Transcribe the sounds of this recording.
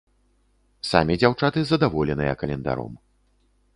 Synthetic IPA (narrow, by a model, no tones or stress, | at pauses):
samʲid͡zʲawt͡ʂat̪ɨzɐd̪avɔlʲɛnɨjɐ̰kɐlʲɛnd̪a̰ɾɔ̰m